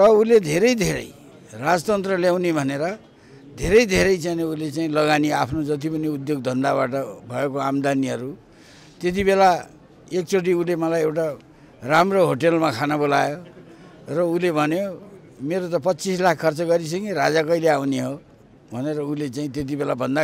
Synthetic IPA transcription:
rʌuled̪ʱeɾʌjd̪ʱeɾʌ̰j | rad͡zʌt̪ʌnt̪rʌljaw̃nibʱʌneɾʌ | d̪ʱeɾʌjd̪ʱeɾʌjt͡sajneulet͡saĩlʌɡaniapʰnod͡zʌt̪̬ipʌniud̪joɡ̚d̪ʱʌnd̪aβaʈʌbʱʌekoamd̪aniɦʌɾu | t̪et̪̬ibela | ek̚t͡soʈ̬iulemʌlajewʈa | ramroɦoʈelmakʰanabolajo | rʌulebʱʌnjo | meɾot̪ʌpʌtːt͡sislakʰkʰːʌrt͡sʌɡʌɾis̬ʌŋʌɾad͡zakʌileawniɦo | bʱʌneɾʌulet͡saĩt̪et̪̬ibelabʱʌnd̪a

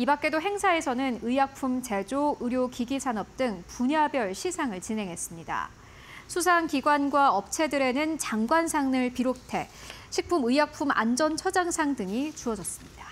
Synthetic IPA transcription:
ibak̚k͈e̞doɦe̞ŋsʰae̞sʰʌnɯnɯjak̚pʰumt͡ɕe̞d͡ʑoɯɾjokiɡisʰanʌp̚t͈ɯŋpuɲabjʌɭɕʰisʰaŋɯɭt͡ɕine̞ŋɦe̞s͈ɯmɲida̰ | sʰusʰaŋkiɡwanɡwaʌp̚t͡ɕʰe̞dɯɾe̞nɯnt͡ɕaŋɡwansʰaŋnɯɭpiɾotʰe̞ | ɕʰik̚pʰumɯjak̚pʰuma̰nd͡ʑʌnt͡ɕʰʌd͡ʑaŋsʰaŋdɯŋit͡ɕuʌd͡ʑʌs͈ɯ̥mɲid̥a

